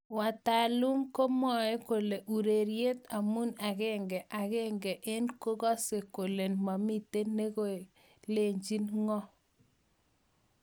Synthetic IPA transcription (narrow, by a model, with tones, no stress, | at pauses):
wa˨ta˨lu˦mko˦mɔ˨e˦ko˨le˨ʔu˨ɾe˨ɾje˦ta˨mu˦na˨kɛ˦ŋɡɛ˨ʔa˨ɣɛ˦ŋɡɛ˨ʔe˦nko˦ɣɔ˦se˨ko˨le˨nma˨mi˦te˦nːe˦ɣo˦˨ | le˨ɲd͡ʒi˦nŋɔ˦